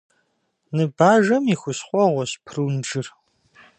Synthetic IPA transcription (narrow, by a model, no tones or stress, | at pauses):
nɨbaːʒɐmixʷʊɕχʷʼɔʁʷɔɕpʰrɨwnd͡ʒɨr